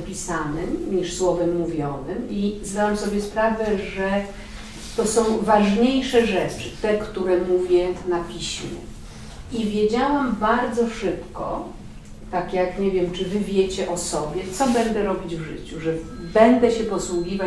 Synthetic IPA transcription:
pʲisanɘmɲiʂswɔvɛmːuvʲjɔnɘmizd̪awamsɔbʲjɛspɾavɛʐɛ | t̪ɔsɔ̃w̃vaʐɲejʂɛʐɛt͡ʂɘt̪ɛkt̪uɾɛmuvʲjɛnapʲiɕmʲjɛ̰ | ivʲjed͡ʑawambaɾd̪zɔʂɘpkɔ̰ | t̪akjakɲɛvʲjɛmt͡ʂɘvɘvʲjɛt͡ɕɛʔɔsɔbʲjɛt̪sɔbɛnd̪ɛɾɔbʲid͡ʑvʐɘ̰t͡ɕuʐɛbɛnd̪ɛɕɛpɔswuɡʲiva

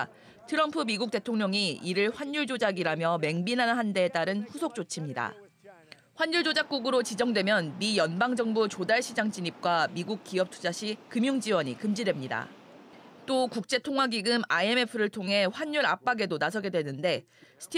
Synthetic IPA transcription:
tʰɯɾʌmpʰɯmiɡuk̚t͈e̞tʰoŋɲʌŋiiɾɯɭɸwaɲːuɭd͡ʑod͡ʑaɡiɾamjʌme̞ŋbinɦanɦande̞ːt͈aɾɯnɸusʰok̚t͡ɕ͈ot͡ɕʰimɲida̰ | ɸwaɲuɭd͡ʑod͡ʑak̚k͈uɡɯɾot͡ɕid͡ʑʌŋdwe̞mjʌnmijʌnbaŋd͡ʑʌŋbut͡ɕodaɭɕʰid͡ʑaŋt͡ɕiɲip̚k͈wamiɡuk̚k͈iʌp̚tʰu̥d͡ʑaɕʰikɯmjuŋd͡ʑiwʌɲikɯmd͡ʑidwe̞mɲida̰ | t͈okuk̚t͡ɕ͈e̞tʰoŋwaɡiɡɯmaie̞me̞pʰɯɾɯɭtʰoŋɦe̞ɸwaɲːuɾa̰p͈aɡe̞donasʰʌɡe̞dwe̞nːɯnde̞ | sʰɯ̥tʰ

